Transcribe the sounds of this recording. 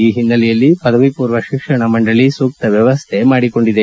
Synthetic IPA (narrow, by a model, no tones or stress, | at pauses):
iːɦinːɐlijɐlːipɐd̪ɐʋipuːɾʋɐʃikʂɐɳɐmɐɳɖɐɭisuːk̚t̪ɐʋjɐʋɐst̪ʰe̞maːɽiko̞ɳɖid̪e